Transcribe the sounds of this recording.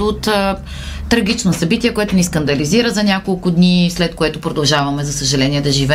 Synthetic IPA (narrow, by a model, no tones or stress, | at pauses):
ot̪ː | ɾɐɡ̟ʲit͡ʃnosɐbit̪iɛkoɛt̪ʊniskɐnd̪ɐliziɾəzɐnʲakolˠkʊd̪nislɛt̪koɛt̪ʊpɾod̪ɐlˠʒavɐmɛzɐsəʒɐlɛniɛd̪ɐʒivɛ